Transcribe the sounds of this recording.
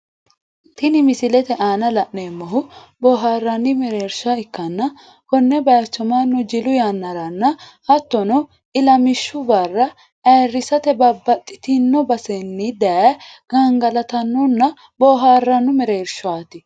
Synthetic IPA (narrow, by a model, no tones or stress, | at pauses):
t̪ɪnɪmɪsɪlɛt̪ɛʔaːnɐlɐʔneːmːɐɦʊbɔːɦaːrːɐnːɪmɛɾeːɾʃaɪkːɐnːɐ | kɔnːɛbɐjt͡ʃːɔmanːʊd͡ʒɪlʊjanːɐɾɐnːɐhɐt̪ːɔnɔ | ɪlɐmɪʃːʊbɐrːɐ | ʔɐrːɪsɐt̪ɛbɐbːɐt̪ʼːɪ̥t̪ɪnːɔbɐsɛnːɪd̪ɐaɡ̥ɐŋɡɐlɐt̪ɐnːɔnːɐ | bɔːɦaːrːɐnːʊmɛɾeːɾʃɔaːt̪ɪ